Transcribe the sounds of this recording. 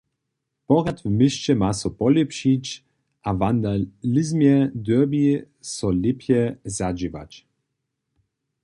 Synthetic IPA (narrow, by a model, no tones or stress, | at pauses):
pɔɣat̪vmɪɕt͡ɕɛmasɔpɔlɛpɕit͡ɕ | ʔavand̪alɪzmjɛd̪œbi | sɔlʲipʰjɛzad͡ʑiva̰t͡ɕ